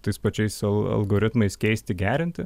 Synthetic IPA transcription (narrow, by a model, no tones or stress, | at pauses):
t̪ɐɪspɐt͡ʃʲɛɪsɐlˠɐ̰lˠɡoːɾʲɪt̪mɐɪskʲɛɪsʲt̪ʲɪɡʲæːɾʲɪnʲt̪ʲɪ